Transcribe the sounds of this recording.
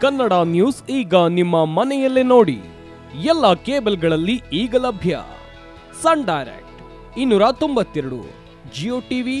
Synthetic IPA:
kɐnːɐɽaːnjuːsiːɡɐnimːɐmɐnɛjɐlːeno̞ːɽḭ | ɛlːɐkeːbɐlɡɐɭɐlːiiːɡɐlɐbʱjɐ̰ | sɐɳɖɐjɾḛk̚ʈ | inːuːɾɐt̪o̞mbɐt̪ːɛɾɐɽṵ | d͡ʒioːʈiːʋi

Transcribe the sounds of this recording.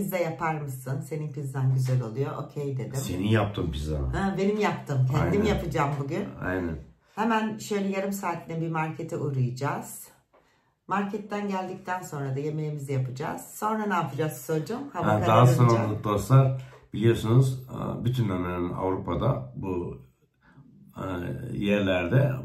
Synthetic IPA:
bizd̪ɛjapʰaɾmɯsɯnse̞ninkʰɯzd̪ænɟyzælʲo̞lˠujo̞ʔocʰejd̪ed̪imsenijap̚t̪ʰɯmpizd̪a̰ɛbe̞nimjap̚t̪ʰɯmcʰɛj̪imjapɯd͡ʒaːmbuɟyna̰jnæn | hemænʃø̞jlʲɛjaɾɯmsaːt̪ʰinibimaɾcʰet̪ʰiʔuɾujɯd͡ʒaːz̥ | maɾcʰɛt̪ʰːænɟælʲd̪ic̚t̪ʰænso̞nɾad̪aje̞melʲimizijapʰɯd͡ʒa̰ːz̥so̞nɾanaːpɯd͡ʒazsod͡ʒumhaad̪aɦasonanlˠɯk̪̚ˠosaɾb̥ilʲijo̞sunuz̰byt̪ʰynamenina̰vɾupʰad̪a̰bu | jæɾlʲæɾd̪ɛ

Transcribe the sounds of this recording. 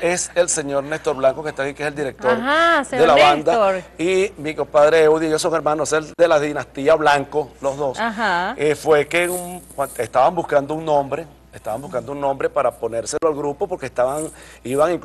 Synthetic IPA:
eselse̞ɲo̞ɾnest̪o̞ɾβlaŋko̞ke̞st̪akikeseld̪iɾe̞k̚t̪oɾad̪elaβannd̪aɾimikopaðɾeewðjiejosoŋe̞ɾmãnoseld̪elaðinast̪iaβlaŋko̞lo̞zðo̞saɦaefwe̞keŋukwaest̪aβambuskand̪ouŋnõmbɾe̞ | est̪aβambuhkand̪ouŋnõ̞mbɾe̞paɾapo̞ne̞ɾse̞loalɣɾupo̞po̞ɾkest̪aβaŋiβaŋiŋk

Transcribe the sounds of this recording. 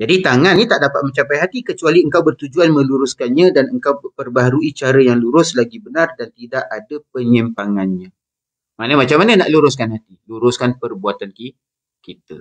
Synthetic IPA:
d͡ʒadit̪aŋãnːit̪aʔdapat̪̚mə̃ɲt͡ʃapajɦat̪ikət͡ʃualiəŋkawbərt̪ud͡ʒuanmə̃luɾʊskanɲãdanəŋkawpərbaɦaɾuit͡ʃaɾajaŋluɾʊslaɡibənardant̪idaʔadapəɲimpaŋanɲã | manəmat͡ʃamːanənaʔluɾʊskanhat̪iluɾʊskanpərbuat̪anki | kit̪ə̰

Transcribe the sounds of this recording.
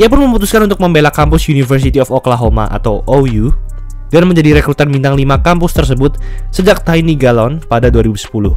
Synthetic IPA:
iap̬ʊnməmut̪uskanunt̪ʊk̚məmbelakampʊsjunifərs̬it̪iɔfɔklaɦoma̰ʔa̰t̪awʔoju | danməɲd͡ʒadiɾekɾut̪armint̪aŋlimakampʊst̪ərs̬əbʊt̪̚səd͡ʒak̚t̪ainiɡalɔnpadaduaɾibusə̥pulʊh

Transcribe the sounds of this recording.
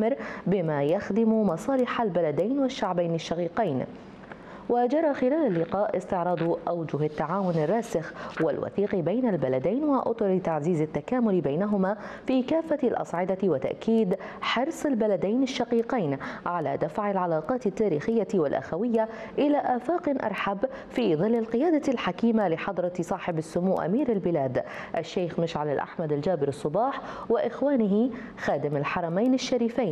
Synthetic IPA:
ɪɾbɪmaːjaxd̪ɪmmɑsˤɑːlɪħalbalad̪ajnwaʃːaʕbajnɪʃːaqiːqijn | wad͡ʒɑɾˤɑxɪlaːlalːɪqɑːʔɪst̪ɪʕɾˤɑːd̪ˤʔawd͡ʒʊɦat̪ːaʕaːwʊnɪrˤːɑːsɪxwa̰lwa̰θiːqbajnalbalad̪ajnwaʔʊ̰t̪ˤʊɾt̪aʕziːzɪt̪ːakaːmʊlbajnaɦʊmaːfiːkaːfːalʔɑ̰sˤʕɪd̪awat̪a̰ʔkiːd̪ | ħɑɾsˤɪlbalad̪ajnɪʃːɑqiːqajnʕala̰ːd̪afʕɪlʕɑlɑːqɑːt̪ɪt̪ːaːɾiːxɪjːawalʔa̰xawɪjːaʔɪlaːʔaːfaːqɪnʔɑ̰ɾˤħab | fiːðˤɨlːɪlqɪjaːd̪alħakiːmalɪħɑd̪ˤɾˤɑsˤɑːħɪbasːʊmuːʔa̰miːɾalbɪlaːd̪ʔaʃːeːxmɪʃʕalɪlʔa̰ħmad̪ald͡ʒaːbɪɾɑsˤːʊbɑːħwɪʔɪxwaːnɪɦɪ | xaːd̪ɪmalħɑɾˤɑmajnɪʃːaɾiːfajn

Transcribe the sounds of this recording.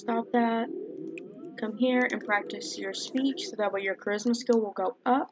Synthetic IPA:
stɑp̚ðæt̚ | kʰʌ̃mɦiɹɨ̰̃npʰɹ̥æk̚tɨsjə˞spit͡ʃsoʊðət̚wajə˞kʰɹ̥ɪsməskɪlˠwɪlˠɡoʊʌp̚

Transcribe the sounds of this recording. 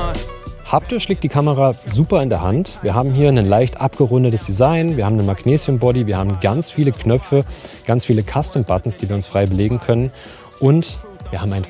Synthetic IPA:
hap̚təʃleːk̚td̥iːkʰaməʁaːzuːpɐɪndeːɐɦantv̥iːɐɦaːbm̩ɦiːɐnənlaɪçtʔapɡ̥əʁʊndətəsd̥izaɪnviːɐhaːmnənmaɡneːzjənbɔdiviːɐhaːbm̩ɡant͡sfiːləkʰnœp͡fəɡ̥ant͡sfiːləkʰastəmb̥atn̩sd̥iːviːɐʊnsfʁ̥aɪbəleːɡŋ̩kʰœnən | ʔʊnt | v̥iːɐhaːbm̩aɪn

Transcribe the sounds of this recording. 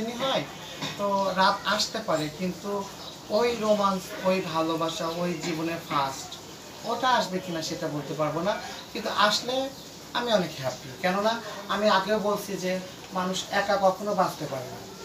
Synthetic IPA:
iniɦɔj | t̪oɾapaʃt̪epaɾekint̪u | ojɾomansojbʱalobaʃaojd͡ʑiboneɾfʰasʈ | oʈaaʃbekinaʃeʈabolt̪epaɾbonakint̪uʔaʃle | amiɔnekeɦapːikɛnonaamiaɡeowbolt͡ɕʰid͡ʑe | manuʃɛkakɔɾkʰonobast̪epaɾena̰

